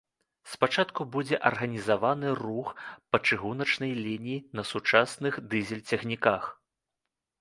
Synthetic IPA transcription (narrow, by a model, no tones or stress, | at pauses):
spat͡ʂat̪kubud͡zʲɛʔɐrɣɐnʲizavanɨruxpɐt͡ʂɨɣunɐt͡ʂnɐjlʲinʲijinɐsut͡ʂasnɨxd̪ɨzʲɛlʲt͡sʲɐɣnʲikax